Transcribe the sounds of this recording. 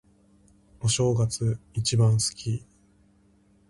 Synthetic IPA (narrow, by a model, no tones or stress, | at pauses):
o̞ɕo̞ːɡat͡sɨit͡ɕibãɰ̃sɨ̥kʲi